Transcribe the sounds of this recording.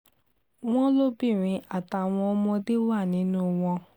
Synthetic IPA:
w̃ɔ̃˦lo˦bi˦˨ɾ̃ĩ˧a˨ta˨˧˨w̃ɔ̃˧ɔ˦mɔ̃˧de˦wa˦˨nĩ˨˦nũ˦w̃ɔ̃˧

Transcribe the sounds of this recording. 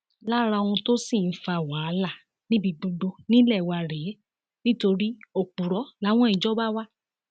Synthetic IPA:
la˦˨ɾa˧o˧ũ˧to˦si˦˨n̩˦fa˧˨wa˨˦˨la˦˨ | nĩ˦bi˧ɡ͡bũ˧ɖo˧nĩ˦lɛ˦˨wa˧˨ɾɛ˨˦ | nĩ˦to˧ɾi˦o˨k͡pu˨ɾɔ˨˦la˨˦w̃ɔ̃˦i˧d͡ʒɔ˦ba˦wa˦

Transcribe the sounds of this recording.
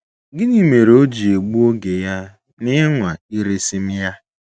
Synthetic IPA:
ɡɪ˦ni˨me˨ɾo˦d͡ʒi˨e˨ɡ͡bu˦o˦ɡe˨ja˦ | nɪ˦ŋʷa˨i˦ɾe˦si˦m̩˦ja˦

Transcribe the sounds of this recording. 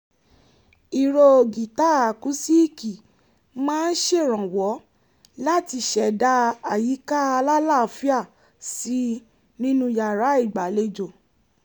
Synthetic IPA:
i˨ɾo˧˨ɡi˨ta˦a˨ku˨˦si˦˨ki˨ | mãː˦˧n̩˦ʃe˦˨ɾ̃ã˨wɔ˨˦ | la˦ti˧ʃɛ˨da˧a˨ji˨˦ka˦a˧la˦la˦˨fi˦a˦˨ | si˨˦ | nĩ˦nũ˦ja˨ɾa˨˦i˦˨ɡ͡ba˨le˧˦d͡ʒo˨

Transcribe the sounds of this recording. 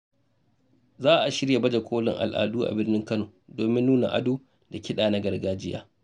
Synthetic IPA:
zaː˦ʔa˨ʃɪ˦ɽja˨bɐ˦d͡ʒa˨kʷʰoː˦lɪ̰˨ŋʔa̰˨lʔa̰ː˨duː˦ʔa̰˨bɪ˦rnɪ˦ŋkɐ˦noː˨doː˨mɪ˦nːuː˦na̰˨ʔa̰˦doː˦ | da˨kʲɪ˦ɗaː˨na˦ɡɐ˨rɡaː˦d͡ʒɪ˦ja̰ː˦

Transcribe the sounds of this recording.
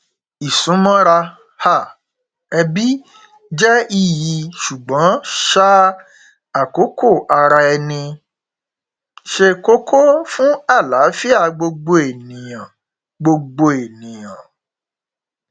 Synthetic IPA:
i˨sũ˨˦mɔ̃˦ɾa˧ | ha˦˨ | ɛ˧bi˦ | d͡ʒɛ˦i˦˧ji˨˧˨ʃu˨ɡ͡bɔ̃˨˦ʃa˦ | a˨ko˨˦ko˦˨ʔa˧ɾa˧ɛ˧nĩ˧ | ʃe˧ko˦kʰo˦fũ˦a˦˨la˨˦fi˦a˦˨ɡ͡bo˧ɡ͡bo˧e˨nĩ˨j̃ã˨ | ɡ͡bo˧ɡ͡bo˧e˨nĩ˨j̃ã˨

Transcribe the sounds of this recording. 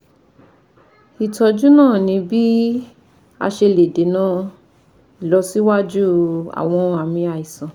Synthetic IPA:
i˨tɔ˧d͡ʒu˦nãː˦˨nĩ˧bi˦ | a̰˧ʃe˧le˨de˨˦nã˦ | i˨lɔ˨˧si˦wa˦d͡ʒu˦a̰˨w̃ɔ̃˧a˨mĩ˧a˧i˨sã˨

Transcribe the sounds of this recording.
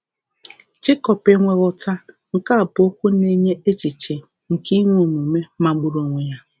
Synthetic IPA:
t͡ʃɪ˦kɔ˨pe˦ŋʷe˦ɣʊ˦ta˦ | ŋ̩˨ka˦˨pʊ˨o˦kʷu˦ne˦ɲe˦ʔe˦t͡ʃi˨t͡ʃe˨ | ŋ̩˨ki˦ŋʷ˦o˨mu˨me˦ma˨ɡ͡bʊ˦ɾo˦˨ŋʷe˨ja˦

